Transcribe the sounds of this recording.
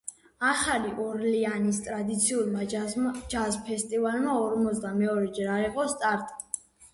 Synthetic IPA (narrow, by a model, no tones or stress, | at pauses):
aχaliʔɔɾlianist̪ʼɾad̪it̪sʰiulmad͡ʒazpʰɛst̪ʼivalmaɔɾmɔzd̪amɛɔɾɛd͡ʒɛɾaɾiqʼɔst̪ʼaɾt̪ʼ